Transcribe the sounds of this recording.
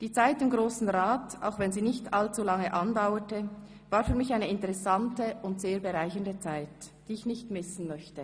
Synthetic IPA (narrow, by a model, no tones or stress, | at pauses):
d̥iːt͡saɪtɪmɡʁoːsn̩ʁaːta̰ʊxvɛnziːnɪçtalt͡sulaŋəʔandaʊətə | vaːɾfyːɐmɪçaɪnəɪntəʁɛsantəʊntz̥eːɐbəʁaɪçəndət͡saɪtd̥iːɪçnɪçtmɪsn̩mœçtə